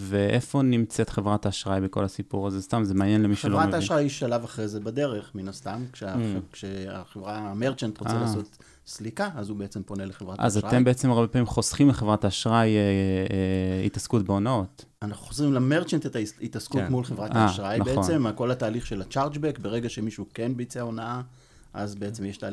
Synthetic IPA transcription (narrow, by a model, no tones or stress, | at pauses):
veʔefo̞nimt͡set̪χevʁataʃʁajbeko̞̰lasipuʁazest̪amzemanjenlemiʃeloʁaaːʃʁajɛʃalavaχʁezebade̞ʁe̞χminast̪amkʃeakʃea̰χevʁameʁt͡ʃant̪ʁot͡selaːso̞t̪ | slikaazubeet͡se̞mpo̞neleχevʁat̪a̰zaʁaembeet͡se̞maʁbepaːmimχo̞sχimleχe̞vʁataʃʁaje | ḭtaskutbeonaot | anaχnuχozʁimlame̞ʁt͡ʃantetaitaskutmulχevʁataːʃʁajee̞mako̞lataːliχʃe̞lat͡ʃaʁt͡ʃbekbeʁe̞ɡaʃe̞miʃukenbeit͡seo̞naa | ʔazbeet͡se̞mjeʃtaːl